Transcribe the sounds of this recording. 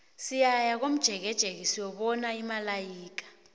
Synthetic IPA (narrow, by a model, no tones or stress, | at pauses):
sijajak̬om̩d̥ʒ̥ʱɛk̬ɛd̥ʒ̥ʱek̬isiwɔɓɔnaimalajiːk̬ḁ